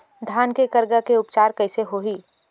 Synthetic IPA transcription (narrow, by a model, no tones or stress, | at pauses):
d̪ʱaːnkekɐɾɡakeʊpt͡ʃaːɾkɐɪseɦoːɦiː